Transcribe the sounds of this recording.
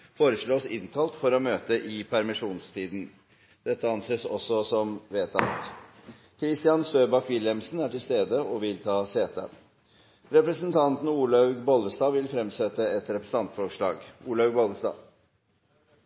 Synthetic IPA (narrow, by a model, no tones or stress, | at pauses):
foːɾəʂɭoːsɪ̰nkʰɑlt̪fɔɾɔmøːt̪əʔɪpʰæɾmɪʂuːnst̪ʰiːd̪n̩ | d̪̥ɛt̪ːəɑnseːsɔ̰sɔsɔmʋeːt̪ʰɑ̰t̪ | kʰɾɪst̪ɪɑnst̪øːbɑkʋɪljɛmsn̩æʈɪlst̪eːd̪əʔɔʋɪlt̪ʰɑːseːt̪ə̰ | ɾɛpɾəsənt̪ʰɑnt̪n̩uːlɑʉɡbɔləsd̪ɑːʋɪlfɾɛmsɛt̪ːəɛt̪ɾɛpɾəsn̩ɑnt̪fɔʂɭɑ̰ːɡuːlɑʉɡbɔləsd̪ɑ̰ː